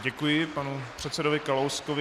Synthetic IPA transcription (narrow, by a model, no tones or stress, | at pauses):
ɟɛkujɪpanupr̝̥ɛt̪sɛdovɪkalowskovɪ